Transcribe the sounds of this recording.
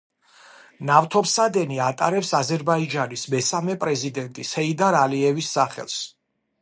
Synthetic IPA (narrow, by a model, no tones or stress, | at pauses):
naft̪ʰɔpsad̪ɛniat̪ʼaɾɛpsazɛɾbaid͡ʒanismɛsamɛpʼɾɛzid̪ɛnt̪ʼishɛid̪aɾaliɛvisːaχɛ̰lˠs